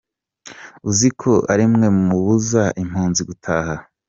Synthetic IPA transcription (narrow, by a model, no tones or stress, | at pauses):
uzikʰo̞aɾimŋe̞mumuβuzaʔim̥huːnziɡutʰaːha